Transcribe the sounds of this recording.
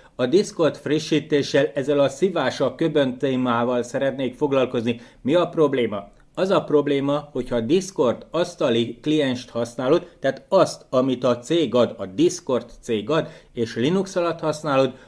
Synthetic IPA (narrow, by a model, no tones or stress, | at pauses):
ɒd̪isko̞rt̪friʃːiːt̪eːʃːɛlɛzːɛlɒsivaːʃɒkø̞bø̞nt̪eːmaːvɒlsɛɾɛt̪neːkfo̞ɡlɒlko̞zni | miɒpro̞bleːmɒ | ɒzɒpro̞bleːmɒho̞chɒd̪isko̞rt̪ɒst̪ɒliklijɛnʃt̪hɒsnaːlod̪ːaːt̪ɒst̪ɒmit̪ɒt̪seːɡɒd̪ɒd̪isko̞rt̪seːɡɒd̪eːʃlinuksɒlɒt̪hɒsnaːlod̪